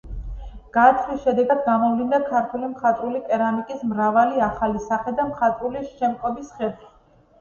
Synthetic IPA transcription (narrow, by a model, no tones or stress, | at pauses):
ɡ̥at̪ʰlisʃɛd̪ɛɡad̪ɡamɔvlind̪akʰaɾt̪ʰulimχat̪ʼɾulipʼɛɾanikʼismɾavaliaχalisaχɛd̪amχat̪ʼɾuliʃɛmqʼɔbisχɛlˠχi̥